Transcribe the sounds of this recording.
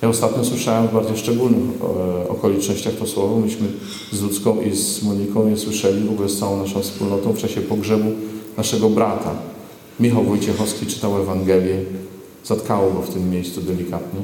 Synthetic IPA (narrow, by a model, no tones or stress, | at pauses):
jaɔst̪at̪ɲɔswɘʂawɛmvbaɾd̪zɔʂt͡ʂɛɡulnɘxɔ̰kɔlʲit͡ʂnɔɕt͡ɕaxp̪ɔswɔvɔmɘlʲiɕmɘ | zlut̪skɔ̃w̃ʔizmuɲikɔ̃w̃ɲɛswɘʂɛlʲivɔɡulɛst̪sawɔ̃w̃naʂɔ̃w̃fspulnɔt̪ɔ̃w̃ft͡ʂaɕɛpɔɡʐɛbunaʂɛɡɔbɾat̪a̰ | mʲixawvɔjt͡ɕɛxɔfskʲit͡ʂɘ̥t̪awɛvaŋɡɛlʲjɛ | z̥at̪kawɔɡɔft̪ɘmːjejssud̪ɛlʲikat̪ɲɛ